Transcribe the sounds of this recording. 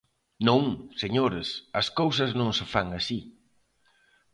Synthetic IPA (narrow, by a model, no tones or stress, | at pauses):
nõŋseɲoɾɪsɐskowsɐznõŋsɪfaŋɐsi